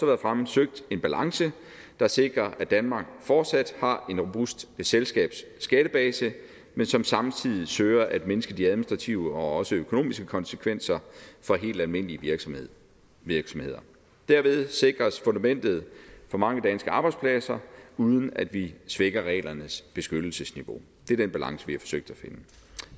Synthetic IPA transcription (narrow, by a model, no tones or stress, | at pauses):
sɒʋæːɐðˠfʁamsøɡ̥̚d̥e̝nb̥ælɑ̈ŋsə | d̥ɑ̈se̝ɡ̥ʁɐʔæd̥ænmɑ̈ːɡ̥fɒd̥sæd̥hɑ̈e̝nʁob̥usd̥eselsɡ̥ɛ̰ːb̥sːɡ̥æɾ̥əb̥ɛːsə | mensɒ̽msɑ̈mt͡sʰið̰ˠisøːɐʔæd̥menəsɡ̥əd̥iæðˠminisd̥ʁɑ̈t͡sʰiʊəɒ̽ɒ̽səøkʰo̝no̝̰ːmisɡ̥əkʰɒ̽nsə̥kʰʋen̰sɐfɒ̽ɦe̝̰ːld̥ælme̝n̰liəʋiɐ̥ | iɐɡ̥sɒ̽mhe̝ð̰ˠɐ | d̥æɐ̰ʋe̝ð̞ˠse̝ɡ̥ʁɐsfo̽nd̥æmen̰d̥ð̞̩ˠfɒ̽mɑ̈ŋəd̥ænsɡ̥əɑ̈ːb̥ɑ̈ɪdspʰlæsɐuð̞ˠn̩æd̥ʋisʋeɡ̥ɐʁɛ̰ːlɐnəsb̥e̝sɡ̥ød̥l̩səsniʋo̝ | d̥e̝ɐd̥enb̥ælɑ̈ŋ̰səʋihɑ̈fɒ̥̽søɡ̥̚d̥æfe̝nə